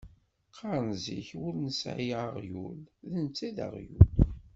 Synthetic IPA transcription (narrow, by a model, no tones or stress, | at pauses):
qʰːɑɾˤnzḭçwʊɾnəsjʁəʁjulðənt͡sːæðə̰ʁjul